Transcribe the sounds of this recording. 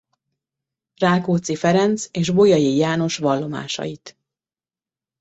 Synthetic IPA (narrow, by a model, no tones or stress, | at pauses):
raːkoːt̪sifɛɾɛnt̪seːʒbo̞jɒjijaːno̞ʃvɒlːo̞ma̰ːʃɒ̰jit̪